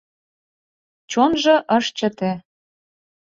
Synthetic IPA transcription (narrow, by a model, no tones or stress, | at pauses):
t͡ɕonʒɤ̆ʔɤʃt͡ɕə̆t̪ĕ